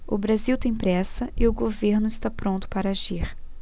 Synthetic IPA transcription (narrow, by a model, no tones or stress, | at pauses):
ʊbɾaziwt̪ẽj̃pɾɛsɐɪʊɡoveɾnʊɪst̪apɾõnt̪ʊ̥paɾɐaʒiɾ